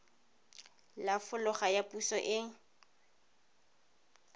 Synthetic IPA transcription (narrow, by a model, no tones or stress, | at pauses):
lafʊlʊχajapusɔʔɪŋ̩